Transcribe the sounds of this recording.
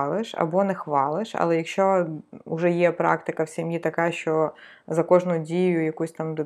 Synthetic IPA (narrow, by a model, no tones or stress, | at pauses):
lˠɪʃɐ̰bɔnɛxʋɑlˠɪʃɐ̰lˠɛjɐkʃt͡ʃɔʊʒɛjɛpɾɑ̰kt̪ɪkɐwsʲɐmjit̪ɐkɑʃt͡ʃɔ | zɐkɔʒnʊdʲijʊjɐkusʲt̪ɑmd̪